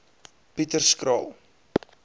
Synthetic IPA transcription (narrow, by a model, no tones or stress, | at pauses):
pitərskrɑ̰ːlˠ